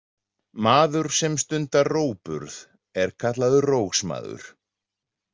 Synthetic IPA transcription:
maːðʏɾ̥sɛmst̪ʏnt̪aroːwpʏ̰ɾð | ɛɾ̥kʰat̪laðʏroːwxsma̰ːðʏ̰ɾ̥

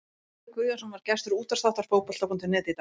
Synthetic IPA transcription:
kvʏjasɛmvaɾ̥cɛst̪ʏɾuːt̪ast̪aw̥t̪aɾ̥foːwpɔl̥t̪apɔnt̪ɪnɛːt̪ɪt̪

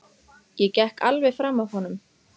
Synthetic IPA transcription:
jɛcɛhka̰lvɛ̥fɾaːmːaðhɔnʏm

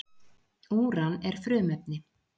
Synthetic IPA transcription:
uːɾanɛɾ̥fɾʏːmɛpnɪ

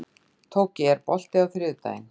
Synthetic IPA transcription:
t̪ʰoːwcɪɛɾpɔl̥t̪ɪawθɾʏðt̪a̰ːjɪ̰n

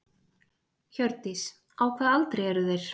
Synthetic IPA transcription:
çœɾt̪ɪs | awkʰvɛːðalt̪ɾejɛɾʏðejɾ̥

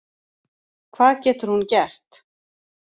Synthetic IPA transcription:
kʰvaːðcɛːt̪ʏɾ̥huncɛr̥t̪

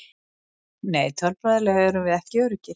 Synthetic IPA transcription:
neːjt̪ʰœlpaðalɛɣaɛɾʏmvɪðɛhcɪœːɾʏcɪ

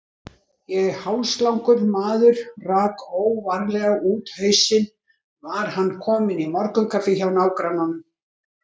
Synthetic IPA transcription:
jɛɣhawlst̪lawŋkʏɾmaːðʏɾ̥raːkoːwvaɾlɛɣauːt̪hœɥsɪn | vaɾ̥hanːkʰɔːmɪnimɔɾkʏmkʰafɪçawnaːwkɾananʏm

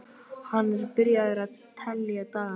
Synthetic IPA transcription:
hanːɛɾpɪɾjaðʏɾaðt̪ʰɛlːjat̪aː

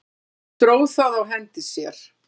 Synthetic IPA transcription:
t̪ɾoːwθaðawɦɛnt̪ɪsjɛɾ̥

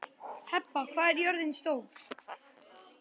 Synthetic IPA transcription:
hɛpːakʰvaːðɛɾjɔɾðɪnst̪oːw

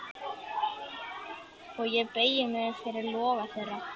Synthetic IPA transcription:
ɔɣjɛpeːjɪmɛðfjɛɾɪɾlɔːɣaθejrːa

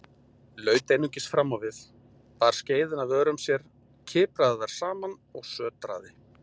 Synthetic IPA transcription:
lœːɥt̪ejnʏɲcɪst̪fɾamːawvɪθ | paɾ̥sceːjðɪnavœːɾʏmsjɛɾ̥ | cʰɪːpɾaðɪðaɾ̥saːman | ɔɣsœːt̪ɾa̰ːðɪ

